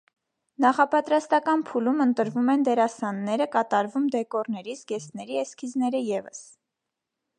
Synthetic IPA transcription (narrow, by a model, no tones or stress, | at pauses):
nɑχɑpɑt̪ɾɑst̪ɑkɑnpʰulumənt̪əɾvumɛnd̪ɛɾɑsɑnːɛɾəkɑt̪ɑɾvumd̪ɛkɔrnɛɾisɡɛst̪nɛɾiɛskʰiznɛɾəjɛvə̰s